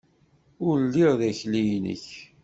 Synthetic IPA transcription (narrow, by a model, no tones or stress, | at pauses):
ʊɾlːiʁðæçlijnə̰ç